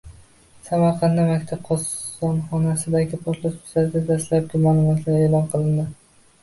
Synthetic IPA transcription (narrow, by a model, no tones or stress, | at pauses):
samaɾqʰɑnd̪amakʲt̪ʰab̚qʰɒsɒnχɒnasɪd̪aɡʲɪpʰot̪lˠʊsʊ̥saɾɡ̪ʲad̪aslap̚ɡʲɪmaːlˠʊmɒt̪ʰlaɾelˠɒnqʰɨlˠɪnd̪ɪ